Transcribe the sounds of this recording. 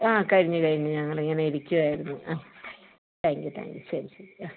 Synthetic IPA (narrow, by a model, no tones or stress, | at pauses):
aːkɐɻiɲːɨkɐɻiɲːɨɲɐŋːɐɭiŋːɐneiɾikʲːuʋaːjiɾunːuaː | t̪ʰaːŋkjut̪ʰa̰ːŋkjuɕɐɾisɐɾiaː